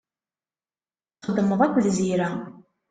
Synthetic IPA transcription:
χəd̪ːəməðˤækʷːəðziɾæ

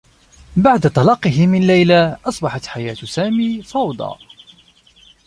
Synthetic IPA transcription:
baʕd̪at̪ˤɑlɑqːɨɦɪmɪnlajlaːʔɑsˤbɑħɑt̪ħajaːt̪saːmiːfɑwd̪ˤɑ̰ː

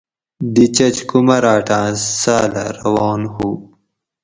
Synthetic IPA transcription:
d̪it͡ɕɐt͡ɕkumɐɾaːʈãːsaːla̰ɾɐwɑːnhu

